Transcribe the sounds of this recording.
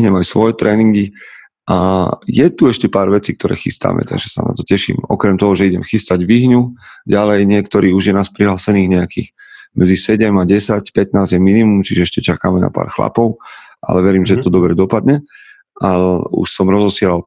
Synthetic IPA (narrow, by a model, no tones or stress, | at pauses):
ɦɲɛmajsʋɔjɛt̪ɾɛːniŋɡi | ʔajɛt̪uɛʃcɛpaːɾʋɛt͡siːk̚t̪ɔɾɛ̰ːxḭst̪a̰ːmʔɛ̰t̪a̰ɡʒɛsa̰na̰t̪ɔcɛʃḭːmɔ̰kɾɛmt̪ɔɦɔʒɛiɟɛmxist̪aɟʋiɦɲuɟalɛjɲɪɛkt̪ɔɾiːuʒjɛnaːspɾiɦlaːsɛniːɣɲɛakḭːx | mʔɛd͡zisɛɟɛmaɟɛsacpɛt̪naːzjɛminimumt͡ʃiʒɛɛʃcɛt͡ʃakaːmɛna̰pa̰ːɾxla̰pɔʊʔa̰lɛʋɛɾiːmʒɛt̪ɔd̪ɔbɾɛd̪ɔpad̪ɲɛ | ʔaṵʃsɔmɾɔzɔsɪɛlal